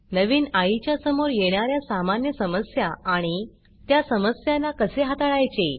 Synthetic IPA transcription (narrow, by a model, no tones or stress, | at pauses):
nəʋiːnajit͡ɕjasəmoɾjeɽ̃aɾjasamanjəsəməsjaaɽ̃i | t̪jasəməsjanːakəseɦat̪aɭajt͡ɕe